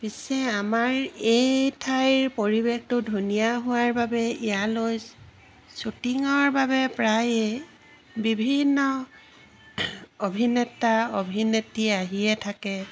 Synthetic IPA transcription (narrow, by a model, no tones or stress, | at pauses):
pisɛamaɹejtʰajɹpoɹibextʊdʱunijaɦʊwaɹbabɛijaloj | sutiŋɔɹbabɛpɹaje | bibʱinːɔ | obʱinɛtaobʱinetiaɦiɛtʰakɛ